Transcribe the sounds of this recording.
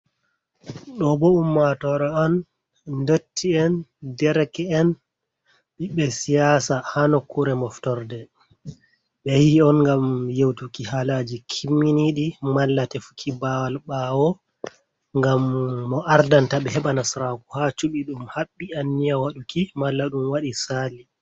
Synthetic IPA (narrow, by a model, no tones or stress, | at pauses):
ɗɔbɔumːatɔɾɔan | dotʰːiɛndɛɾɛkɛɛn | ɓiɓɛsijasahanɔkːuɾɛmɔftɔɾdɛ | ɓɛhihiɔnŋɡamjewtukihalad͡ʒikʰimːiniɗimalːatɛfu̥kʰibawalɓawɔ | ŋɡamːɔʔaɾdantaɓɛhɛɓanasɾakuhat͡ʃuɓiɗumhaɓːianːijawaɗukimalːaɗumwaɗisali